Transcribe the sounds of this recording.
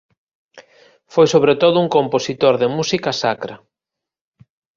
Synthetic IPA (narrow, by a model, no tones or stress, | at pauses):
fojsoβɾet̪oðʊuŋkomposit̪oɾðɪmusikɐsakɾɐ